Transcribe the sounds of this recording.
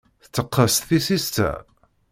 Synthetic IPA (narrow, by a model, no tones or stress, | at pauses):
θət͡sːəqːəst̪θisist̪æ̰